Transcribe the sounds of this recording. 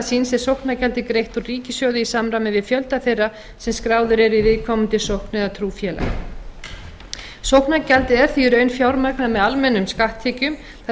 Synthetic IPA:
sinsɛsowhknacɛlt̪ɪkɾejht̪ɔriːcɪsjɔwðʏisamɾamɪvɪðfjœlt̪aθejra | sɛmskɾaːwðʏɾɛɾivɪðkʰɔmʏnt̪ɪsowhknɪðat̪ʰɾuːfjɛla̰ | sowhknacɛlt̪ɪɛɾ̥θiɾœɥnfjawɾmaknamɛðalmɛnːʏmskaht̪ʰːɪcʏm | θa

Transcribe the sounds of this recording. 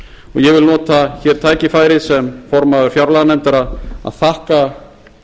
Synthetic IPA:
ɔɣjɛɣvɪlnɔːt̪açɛɾ̥t̪ʰaːjcɪfaːjɾɪðsɛmfɔɾmaðʏɾ̥fjawɾlaðanɛmt̪aɾaa̰ðθahka

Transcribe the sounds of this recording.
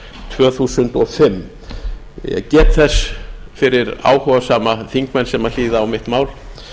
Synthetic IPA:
t̪ʰvœːθuːsʏnt̪ɔfɪmː | jɛ̰cɛːt̪θɛsfɪɾɪɾa̰ːwhɔvasaːmaθiŋkmɛnsɛmaliːðaːwmɪht̪maːwl

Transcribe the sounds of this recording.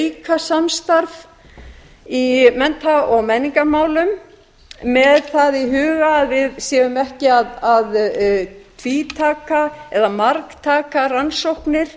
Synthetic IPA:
jkʰasamst̪aɾv | imɛnt̪ʰaɔɣmɛnːiŋkamaːwlʏm | mɛðθaðiɦʏːɣaːðvɪðsɛːvʏmɛhcɪaðað | t̪ʰviːt̪ʰaːkaɛðamaɾkt̪ʰaːkaransowhknɪɾ̥

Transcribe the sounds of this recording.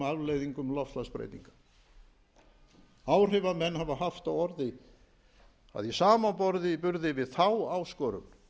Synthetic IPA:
avleːjðiŋkʏmlɔfst̪laspɾḛjt̪iŋkḁ | aːwr̥ɪvamɛnːhavaɦaft̪awɔɾðɪ | a̰ðjɛsaːmapɔɾðɪipʏɾðɪvɪðθawawskɔːɾʏ̰n

